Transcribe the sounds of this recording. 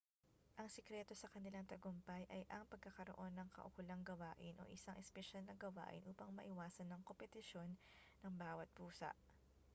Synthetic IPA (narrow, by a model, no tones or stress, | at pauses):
ʔɐŋsɛkɾɛt̪o̞sɐkɐnɪlaŋt̪ɐɡompɐjʔɐjʔɐŋpɐɡ̚kːɐkɐɾo̞ʔo̞nːɐŋkɐ̰ʔʊkʊlɐŋɡɐwaːʔɪnʔo̞̰ʔɪsaŋʔɛspɛʃalnɐɡɐwa̰ːʔɪ̰nʔuːpɐŋmɐʔɪwaːsɐnːɐŋkompɛt̪ɪʃo̞nː | ɐŋbaːwɐt̪̚buːsɐ̰ʔ